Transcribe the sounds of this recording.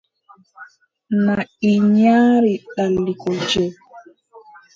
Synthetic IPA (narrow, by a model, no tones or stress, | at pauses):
naiɲaːɾiɗalːikɔd͡ʒɛ